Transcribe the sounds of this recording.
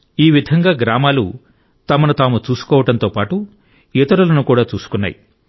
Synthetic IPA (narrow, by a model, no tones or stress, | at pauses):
iːʋid̪ʱɐŋɡaːɡɾaːmaːlu | t̪ɐmɐnut̪aːmut͡ʃuːsu̥kɔːʋɐʈɐnt̪o̞ːpaːʈu | ɛt̪ɐɾulɐnukuːɽaːt͡ʃuːsu̥kunːa̰ːjḭ